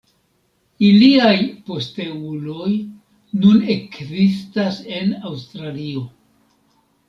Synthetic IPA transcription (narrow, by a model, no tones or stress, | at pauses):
iliajpo̞ste̞ulo̞j | nune̞kzistase̞nawstɾalio̞